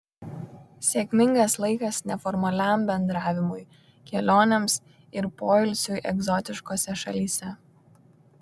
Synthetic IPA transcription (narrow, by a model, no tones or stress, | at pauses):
sʲeːkʲmʲɪŋɡɐslˠɐɪkɐsnʲɛfɔɾmɐlʲæːmbʲɛnd̪ɾɑːʋʲɪmʊj | kʲɛlʲoːnʲɛms | ɪɾpoːɪlʲsʲʊʔɛɡzɔt̪ʲɪʃkoːsʲɛʃɐ̰lʲiːsʲɛ